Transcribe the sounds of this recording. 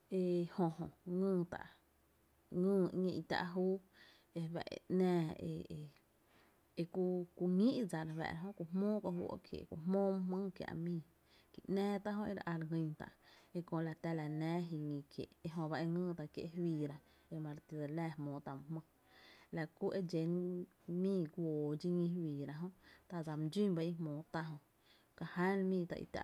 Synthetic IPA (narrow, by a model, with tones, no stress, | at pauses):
e˧hõ˧hõ˨ŋə̃ː˧˨t̪a̰˨ʔ | ŋə̃ː˦˧ŋĩ˧ʔi˧t̪a̰˦˧ʔɦuː˦ | e˧bɛ̰˧˨ʔḛ˧ʔnɛ̃ː˧ḛ˧e˨ | e˧ku˧ku˧ŋĩ˦ʔd͡za˨ɾwɛ̰˨ɾa˨ɦõ˦ku˧˨mmõː˦kõ˧hwu˦ʔo̰˧ʔkjḛ˨kʷu˧hmõː˦m˧ɦmə̃˦kja̰˧ʔmĩː˧˨ | ki˧˨ʔnɛ̃ː˦t̪a˦ɦõ˧ʔe˧ɾʔa˧ɾŋĩ˧ŋt̪a̰˨ʔe˧kõ˧ʔla˧t̪a˧la˨nɛ̃ː˦ɦi˧ŋĩ˧kjḛ˨e˧ɦõ˧ba˧ʔe˧ŋə̃ː˦˨t̪a˧˨kjḛ˧ʔɦwiː˧ɾa˧ | e˧mã˧ɾt̪i˧də˨lɛː˧˨hmõː˨˦t̪a˧˨m˧hmə̃˦ | la˧ku˦ʔe˦d͡ʒe˨˦n | mĩː˧˨ɡʷoː˨d͡ʒi˧ŋĩ˧˦wiː˨ɾa˧ɦõ˦ʔt̪a˧d͡za˨m˧d͡ʒi˦mba˧ʔi˧mõː˨˦t̪a˧ɦõ˧ | ka˧ha˦nmĩː˧˨t̪a̰˧ʔḭ˧t̪a̰˧˨